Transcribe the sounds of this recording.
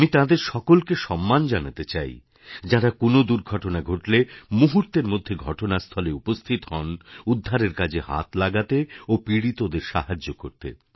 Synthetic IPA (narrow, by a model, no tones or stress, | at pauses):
amit̪ãd̪eɾʃɔkolkeʃɔmːand͡ʑanat̪et͡ɕaj | d͡ʑaɾakonod̪uɾɡʱɔʈonaɡʱoʈlemuɦuɾt̪eɾmod̪ʱːeɡʱɔʈonast̪ʰɔleupost̪ʰit̪ɦɔnud̪ʱːaɾeɾkad͡ʑʱeɦa̰t̪laɡat̪eopiɽit̪od̪eɾʃa̰ɦad͡ʑːokoɾt̪ḛ